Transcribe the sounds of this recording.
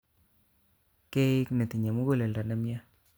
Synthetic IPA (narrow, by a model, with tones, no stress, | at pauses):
ke˦ɪ˦kne˨ti˨ɲa˨mu˦ɡo˦le˨lda˨na˨˦mja˦